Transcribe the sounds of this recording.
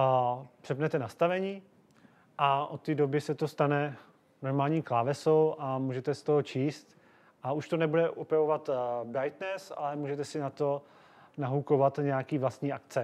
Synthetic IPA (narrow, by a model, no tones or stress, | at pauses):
pr̥ɛpnɛt̪ɛnast̪avɛɲiː | ʔaʔo̞t̪ːiːdobɪsɛt̪o̞st̪anɛ | noɾmaːlɲiːklaːvɛsowʔamuːʒɛt̪ɛst̪oɦot͡ʃiːst̪ | ʔauʃt̪onɛbudɛʔopɾavovat̪bajt̪nɛsa̰lɛmuːʒɛt̪ɛsɪnat̪o̞ | naɦukovat̪ɲɛjakiːvlast̪ɲiːʔak̪t͡sɛ